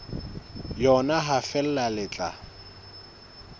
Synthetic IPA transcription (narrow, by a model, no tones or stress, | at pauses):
jɔnaɦafɛl̩lalɪt͡ɬʼa̰